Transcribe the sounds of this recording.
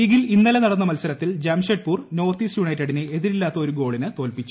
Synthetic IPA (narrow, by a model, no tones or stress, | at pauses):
iːɡilinːɐlɐnɐɽɐnːɐmɐlsɐɾɐt̪ːild͡ʑɐmʂeɖ̚puːrno̞ːrt̪iːsjuɳɐjtːɐɽinɨeðiɾilːaːt̪ːɐoɾuɡo̞ːɭinɨt̪o̞ːlpit͡ɕːu